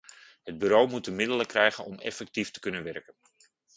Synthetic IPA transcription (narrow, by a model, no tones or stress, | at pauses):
ɦəd̚byɾowmut̚dəmɪdələkrɛjχənɔmɛ̰fɛk̚tiftə̥kɵnənʋɛrkən